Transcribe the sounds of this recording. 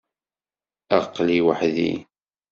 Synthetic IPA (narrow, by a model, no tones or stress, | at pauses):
æʁqːliwaħðḭ